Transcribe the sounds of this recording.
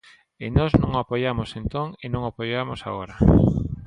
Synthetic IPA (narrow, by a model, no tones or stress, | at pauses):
ɪnɔznõŋapojamosẽnt̪oŋenõŋoapojamosa̰ɣoɾa